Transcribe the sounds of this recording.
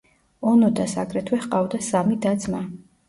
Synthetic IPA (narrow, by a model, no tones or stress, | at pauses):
ɔnɔd̪asa̰kʼɾɛt̪ʰwɛχqʼavd̪asamid̪ad̪zma